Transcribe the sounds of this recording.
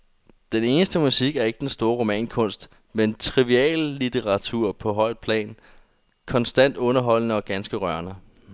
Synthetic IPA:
d̥ene̝ːnəsd̥əmusiɡ̥æɐe̝ɡ̥əd̥ensd̥o̝ːɐʁo̝mɛ̰ːnkʰɔ̽n̰sd̥ | ment͡sʰʁiʋiɛ̰ːlːit͡sʰeʁɑ̈t͡sʰuɐ̰pʰɒ̽ɦɒ̽ɪ̰d̥̚pʰlɛ̰ːn | kʰɒ̽nsd̥æn̰d̥ɔ̽nɐɦɒ̽l̰nəɒ̽ɡ̥ænsɡ̥əʁɶɐnə

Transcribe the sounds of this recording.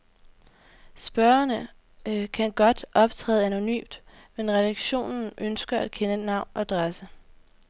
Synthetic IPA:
sb̥ɶɐɐnə | kʰænɡ̥ɒ̽d̥ʔɒ̽b̥t͡sʰʁɛ̰ːð̩ˠæno̝ny̰ːmd̥ | menʁɛd̥ɑɡ̥ɕo̝̰ːnn̩ʔønsɡ̥ɐʔæd̥̚kʰenənɑ̈ʊ̰nɒ̽d̥ʁasə

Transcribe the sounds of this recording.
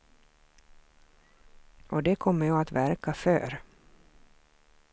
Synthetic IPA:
ɔd̪ɛkʰɔmːəɾjɑːat̪væɾkafœ̰ːɾ

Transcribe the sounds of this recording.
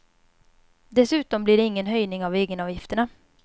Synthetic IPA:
d̪ɛsʉ̟ːt̪ɔmblɪɖɛɪŋːənɦœjnɪŋaveːɡənɑːvjɪft̪əɳa

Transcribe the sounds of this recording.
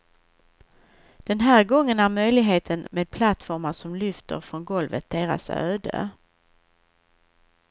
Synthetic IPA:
d̪̥ɛnɦæːɾɡɔŋːənæɾmœjlɪɡɦeːt̪ʰənmeːd̪̚pʰlat̪fɔɾmaʂɔmlʏft̪ə̰ɾfɾɔnɡɔlvət̪̚d̪eːɾa̰sø̰ːd̪ə̰

